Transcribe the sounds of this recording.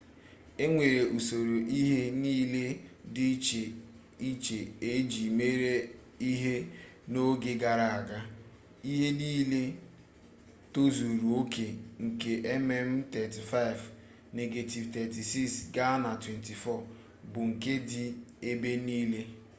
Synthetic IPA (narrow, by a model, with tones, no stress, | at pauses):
e˦ŋʷe˨ɾe˨ʔu˨so˨ɾo˨ʔi˦ɦe˦niː˦le˦dɪ˦t͡ʃe˨ | i˦t͡ʃe˨e˦d͡ʒi˨me˦ɾe˦ | i˦ɦe˦no˦ɡe˦ɡa˨ɾa˨a˨ɡa˦ | i˦ɦe˦ni˦le˦ | to˦zu˨ɾu˨o˦ke˨ŋ̩˨ke˦ʔɛ˦mɛ˦m̩˦tɛ˨ti˨fa˦ɪ˨v | ne˨ɡe˨ti˨vtɛ˨ti˨si˦ksɡa˦na˨twe˨nti˨fɔ˦˨ | bʊ˨ŋ̩˨ke˦dɪ˦e˦be˦niː˦le˦